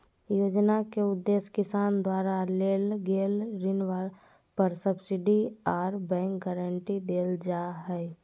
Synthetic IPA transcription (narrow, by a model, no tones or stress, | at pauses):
joːd͡ʒnakeʊd̪ːeːskɪsaːnd̪waːɾaleːlɡeːlɾɪnʋaɾ | pəɾsəbsɪɖiaːɾbɛ̃ːŋk̚ɡɛːɾəɳʈid̪eːld͡ʒaɦɛː